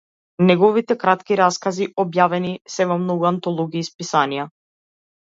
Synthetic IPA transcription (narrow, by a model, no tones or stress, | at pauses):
nɛɡɔvit̪ɛkɾat̪kiɾaskaziʔɔbjavɛnisɛvɔmnɔɡuant̪ɔlˠɔɡiːspisanija